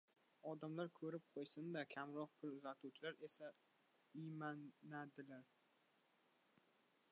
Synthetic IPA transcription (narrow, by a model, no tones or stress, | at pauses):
ɒd̪amlaɾkʰɵɾɪp̚qʰojsɪnd̪akʲʰamɾɒq̚pʰʊlʊzat̪ʰuwt͡ʃʰɪlaɾe̞sa | ɪmaad̪ɪlaɾ